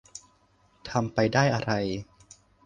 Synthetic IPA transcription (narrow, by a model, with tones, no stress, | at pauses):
t̪ʰa˧mpa˧jdaː˥˩jʔa˧ɾa˧j